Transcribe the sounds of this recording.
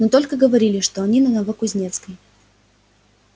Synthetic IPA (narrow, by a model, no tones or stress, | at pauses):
not̪o̞lʲkəɡəvɐɾʲilʲɪʂt̪oɐnʲinənɐvəkʊzʲnʲe̞t̪skəj